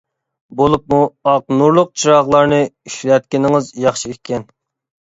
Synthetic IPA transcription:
bolˠup̚muɑq̚nuɾlˠʊq̚t͡ʃʰiɾɑʁlˠɑɾnɨyʃlɛt̪̚kʲinɪŋɨzjɑχʃiekʲːɛn

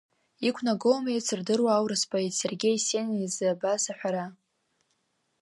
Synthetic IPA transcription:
ikʷʰnaɡowmejt͡sʰɨrdɨrwaːwɾɨspʼaetse̞rɡʲe̞jsenizɨabasaħʷᶣaɾa

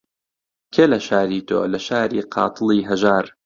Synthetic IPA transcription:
kʰeːlɐʃaːɾiːt̪ʰo̰ːlɐʃaːɾiːqʰɑ̰ːt̪ʰɨlˠiːɦɐʒaːɾ

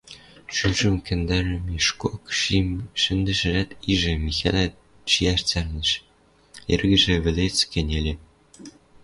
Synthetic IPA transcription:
ʃyʒɘ̆mkʲɘ̆nd̪æɾɘ̆miʃkokʃiʃɘ̆nd̪ɘ̆ʒɘ̆ɾæt̪iʒɘ̆mʲixʲæ̰lʲæ | t͡ɕiært͡sʲærnʲɘ̆ʃ | ḛrɡɘ̆ʒĕʋʲɘ̆lʲet͡skʲɘ̆nʲelʲĕ

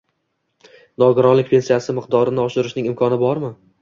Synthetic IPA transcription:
nɒɡɪɾɒnlɪk̚ʲpʰe̞nsijasɪmɪqd̪ɒɾɪnɪɒʃɪɾɪʃnɪŋɪmkʰɒnɪbɒɾmɪ

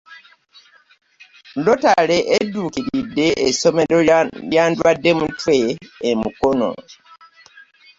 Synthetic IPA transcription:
ndotaleʔeduːkilideʔesomelojandwadːemutweːmṵkono̰

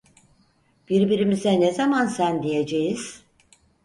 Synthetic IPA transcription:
b̥iɾbiɾimizɛnezamansænd̪ijed͡ʒejiz̥

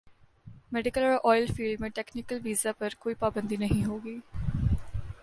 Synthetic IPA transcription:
mɛːɖɪkəlɔːɾʔɔːɪlfiːlɖmẽʈɛːknɪkəlʋiːzapɐɾkoːipaːbə̃nd̪iːnəɦĩɦoːɡiː

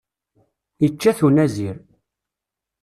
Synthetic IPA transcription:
it͡ʃːæθunæziɾ

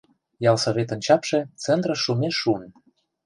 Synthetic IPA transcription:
jɑlsoβʲet̪ŏnʲt͡ɕɑpʃĕt͡sent̪rə̆ʃːumeʃun

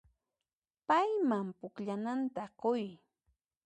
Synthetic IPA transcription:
pajmampʊkʎanant̪aqʊj

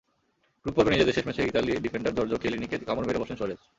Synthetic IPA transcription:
kɾupːoɾbenid͡ʑed̪eʃeʃmet͡ɕʰeɾit̪alieɖifeɳɖaɾd̪ɔɾd͡ʑokelinikekamoɾbeɾebɔʃenʃoɾet͡ɕ

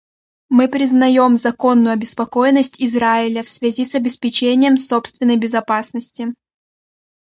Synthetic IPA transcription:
mɨpɾʲɪznɐjo̞mzɐko̞nːʊjʊɐbʲɪspɐko̞jɪnːəsʲtʲɪzɾaɪlʲəfsvʲɪzʲisɐbʲɪspʲɪt͡ɕenʲɪjəmso̞pst̪vʲɪnːəjbʲɪzɐpasnəsʲtʲɪ

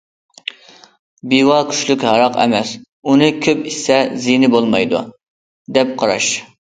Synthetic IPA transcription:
biwɑkʲʰy̥ʃlykʲhɑɾɑqɛ̰mɛs | unɨkʲʰøpisɛzinɪbolˠmɑjd̪ṵ | d̪ɛp̚qʰɑɾɑ̰ʃ

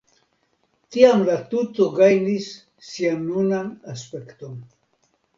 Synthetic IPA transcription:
tiamlatuto̞ɡajnisː | ianːunanaspe̞kto̞n

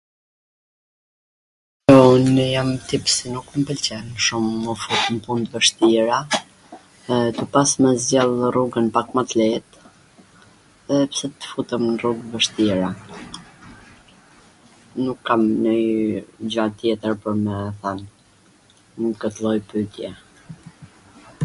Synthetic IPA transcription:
ɔnjamt̪ipsinukmpəlt͡ɕɛnʃumːəfut̪əmpund̪vəʃt̪iɾa | t̪əpasmɛzjalˠruɡənpakmat̪lɛt̪ | ðɛpsɛt̪ə̥fut̪əmnruɡvəʃt̪iɾa | nukːamnə | d͡ʑat̪jɛt̪əɾpəɾmɛθɛn | əkət̪lˠɔjpyt̪jɛ

